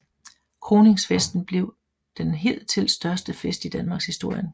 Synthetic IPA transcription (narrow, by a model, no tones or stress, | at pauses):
kʰʁo̝ːne̝ŋsfesd̥n̩b̥le̝ʊ̰ | d̥enɦe̝̰ðl̰t͡sʰe̝lsd̥ɶɐsd̥əfesd̥id̥ænmɑ̈ːɡ̥shisd̥o̝ɐ̰jən